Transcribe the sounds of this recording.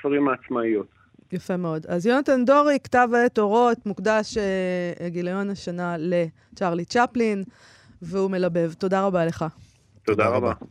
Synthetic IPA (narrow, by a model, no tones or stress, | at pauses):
faʁimaːt͡smaijut̪ | jafe̞me̞o̞dazjonatando̞ʁikḁtavaetoʁo̞t̪mukdaʃeɡilajo̞naʃanale̞ | t͡ʃaʁlit͡ʃaplin | veume̞labe̞vto̞daʁabale̞χa | t̪od̪aʁaba